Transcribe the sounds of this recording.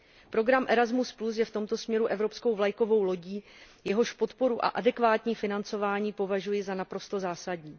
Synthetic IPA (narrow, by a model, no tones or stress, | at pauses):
pɾo̞ɡɾamʔɛɾazmusplus̬jɛft̪o̞mt̪o̞smɲɛɾuʔɛvɾo̞psko̞wvlajko̞vo̞wlo̞ɟiː | jɛɦo̞ʃpo̞t̪po̞ɾuʔa̰ʔadɛkvaːt̪ɲiːfɪnant͡so̞vaːɲiːpo̞vaʒujɪzanapɾo̞st̪o̞zaːsadɲiː